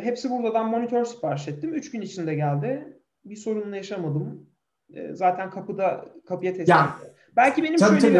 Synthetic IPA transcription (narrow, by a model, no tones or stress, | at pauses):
ɦepsibuɾd̪ad̪anmo̞nit̪ʰøɾsi̥paɾsɛt̪ːimyt͡ʃɟynit͡ʃʰind̪ɛɟælʲd̪ɪ | biso̞ɾunlˠajaʃamad̪ɯm | ɯ̰ːzaːt̪ʰænkʰapɯd̪akʰapɯjat̪ʰɛsi | bælʲcibe̞nimaøe